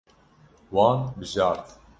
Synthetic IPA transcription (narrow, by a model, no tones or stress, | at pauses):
wɑːnbɨʒɑːɾt̪